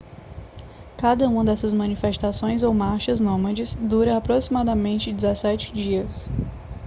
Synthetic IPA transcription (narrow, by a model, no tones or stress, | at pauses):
kad̪ɐũɐ̃d̪ɛsɐzmɐ̃nifest̪asõj̃zowmaɾʃɐznõmɐd͡ʒɪsd̪uɾɐapɾosimad̪ɐmẽnt͡ʃɪd͡ʒɪzɛsɛt͡ʃɪ̥d͡ʒiɐs